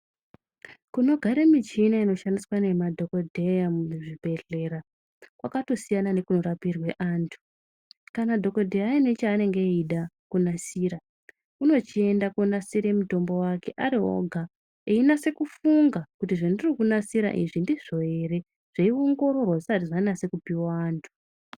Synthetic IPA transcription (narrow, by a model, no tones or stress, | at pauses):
kuno̞ɡʱaɾemit͡ʃinaino̞ʃandiswane̞madʱo̞kodʱejamʐibʱe̞ɮe̞ɾa | kwa̰kato̞sijanane̞kuno̞ɾapirwe̞ʔaːntʰu̥ | kanadʱo̞kodʱeaine̞t͡ʃaːne̞ŋɡeiɗa | kunasiːɾa | uno̞t͡ʃie̞ndakonasiɾe̞muto̞mbo̞wake̞ʔaɾiɦo̞̰ɡʱa | einase̞kufuŋɡakutiʐandirikunasiɾa̰ʔḭʐindiʐo̞je̞ɾe̞ | ʐ̥eio̞ŋɡo̞ɾo̞rwaatiʐainase̞kupiwaːntʰu̥